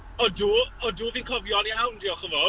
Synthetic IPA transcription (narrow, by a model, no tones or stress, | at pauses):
ɔduːɔduːviːnkʰɔvjɔnjawndiːɔχəvɔ